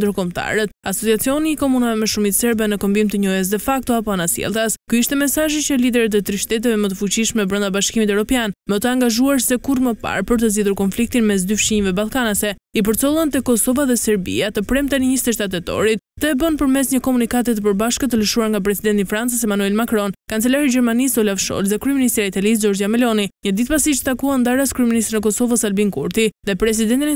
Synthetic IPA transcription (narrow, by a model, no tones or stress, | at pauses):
nd̪əɾkɔmt̪a̰ɾɛt̪̚asɔt͡siat͡siɔniːkɔmunavɛmɛʃumit̪sɛɾbɛnəkɔmbimt̪əɲɔjɛs̬d̪ɛfak̚t̪ɔapɔanasjɛ̰lˠt̪askyiʃt̪ɛmɛsaʒit͡ɕəlid̪ɛɾət̪ət̪ɾiʃt̪ɛt̪̬ɛvɛmət̪əfut͡ɕiʃmɛbɾənd̪abaʃkimit̪ɛvɾɔpjanmət̪əaŋɡaʒuaɾsɛkuɾməpa̰ɾpəɾt̪əziðuɾkɔnflik̚t̪inmɛs̬d̪yfʃiɲɛvɛbalˠkanəsɛ | ip̬əɾt͡sɔlˠənt̪əkɔsɔvaðɛsɛɾbḭat̪əpɾɛmt̪anəɲist̪ɛʃt̪at̪̬ɛt̪ɔ̰ɾit̪̚t̪əɛbənpəɾmɛsɲəkɔmunikat̪̬ɛt̪əpəɾbaʃkət̪ələʃuaɾŋɡap̬ɾɛsid̪ɛnt̪ifɾant͡səsɛmanuɛlmakɾɔnkant͡sɛlaɾid͡ʑɛɾmanisɔlavʃɔ̰lðɛkɾyɛminist̪ɾiait̪alis̬d͡ʒɔɾd͡ʒiamɛlɔniɲəd̪it̪pasiʃt̪t̪akuand̪aɾaskɾyɛminist̪ɾinɛkɔsɔvəsalbiŋkuɾt̪iðɛpɾɛs̬id̪ɛnt̪in